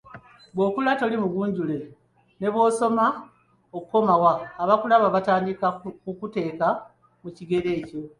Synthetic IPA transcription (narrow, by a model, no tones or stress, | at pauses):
βwo̞ːkulato̞limuɡuːɲɟule̞ | ne̞βwo̞ːso̞ma | okuko̞mawaːβakulaβaβataːndikakukute̞ːka | muciɡe̞ɾe̞ːco̞